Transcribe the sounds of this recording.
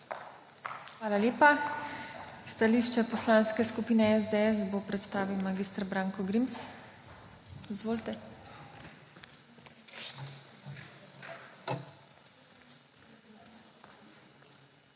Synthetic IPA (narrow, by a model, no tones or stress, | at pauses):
xʋaːlaljeːpa | st̪aliːʃt͡ʃɛpɔslaːnskɛskupiːnɛɛzd̪eɛsbopɾɛt̪st̪aːʋiwmaɡiːst̪ɾbɾaːŋkɔɡɾims | izʋoːlt̪ɛ